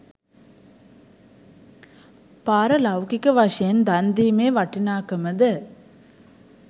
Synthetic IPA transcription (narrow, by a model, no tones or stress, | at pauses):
paːɾɐlɐwkikːɯʋɐʂend̪ɐnd̪imeːʋɐʈːinaːkɐmɐd̪ɯ